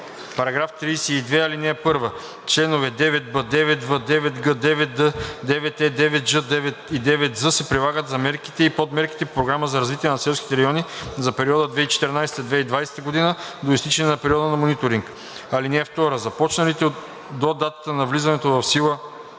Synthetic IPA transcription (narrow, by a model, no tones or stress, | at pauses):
pɐɾɐɡɾaft̪ɾijsɛid̪vɛɐlinɛːpɤɾvə | t͡ʃlɛnovɛd̪ɛvɛt̪bəd̪ɛvɛt̪vəd̪ɛvɛt̪ɡəd̪ɛvɛəd̪ɛvɛt̪ɛd̪ɛvɛt̪d͡ʒəd̪ɛvɛt̪id̪ɛvɛt̪zəsɛpɾilˠaɡət̪zɐmɛɾki̥t̪ɛipot̪mɛɾki̥t̪ɛppɾoɡɾaməzɐɾɐzvit̪iɛnɐsɛlˠskʲit̪ɛɾɐjɔnizɐpɛɾiɔd̪əd̪vɛit͡ʃɛ̥t̪ɛɾnajsɛ̥t̪ɛd̪vɛid̪vajsɛ̥t̪əɡod̪inəd̪oist̪it͡ʃɛnɛnɐpɛɾiɔd̪ənɐmonit̪oɾiŋk | ɐlinɛːft̪ɔɾəzɐpɔt͡ʃnɐlit̪ɛ | d̪od̪at̪ət̪ənɐvlizɐnɛt̪ovɐfsilˠə